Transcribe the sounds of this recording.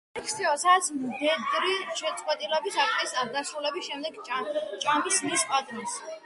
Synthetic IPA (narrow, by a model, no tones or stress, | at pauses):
ɛkʰst̪ʰiɔsat̪sʰmd̪ɛd̪ɾiʃɛt̪sʼqʼwɛt̪ʼilɛbisak̪̚ʼɛsad̪asɾulɛbisʃɛmd̪ɛɡt͡ʃʼamismispʼat̪ʼnis